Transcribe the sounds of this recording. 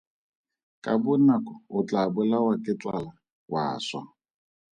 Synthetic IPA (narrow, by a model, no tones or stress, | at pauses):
kʼabʊnakʼɔʊt͡ɬʼabʊlawakʼɪt͡sʼwala | wʔa̰ːswa̰